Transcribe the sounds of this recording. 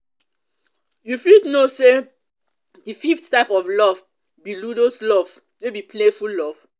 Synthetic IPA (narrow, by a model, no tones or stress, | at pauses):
jufidnose | dififttaɪpɔvlɔv | biludoslɔv | webipʰlefullɔv̥